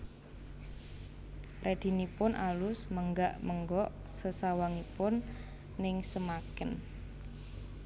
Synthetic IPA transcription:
red̪̥i̤nipʊnʔalʊsməŋɡaʔməŋɡɔʔsəsawaŋipʊnː | ɪŋsəmakɪn

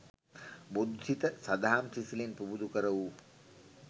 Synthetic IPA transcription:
bod̪ʱsit̪əsad̪aɦamsisilinpubud̪ukəɾəʋu

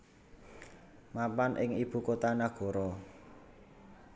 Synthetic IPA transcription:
mapanʔɪŋib̥ṳkot̪anaɡ̥ɔ̤ɾɔ

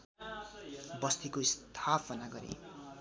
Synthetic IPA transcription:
bʌst̪ikoist̪ʰapʌnaɡʌɾḛ

